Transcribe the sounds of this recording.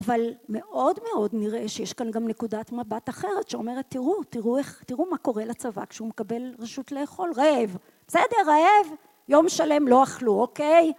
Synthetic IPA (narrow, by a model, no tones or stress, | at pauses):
avalme̞ʔo̞dme̞o̞dniʁeʃejeʃkanɡamne̞kudatmabataχe̞ʁetʃeome̞ʁet̪ːiʁutiʁueχtiʁumako̞ʁelat͡sava̰kʃeumekabe̞lʁeʃut̪leːχo̞lʁeev | b̥sede̞ʁaev | jo̞mʃale̞mlo̞aχluokej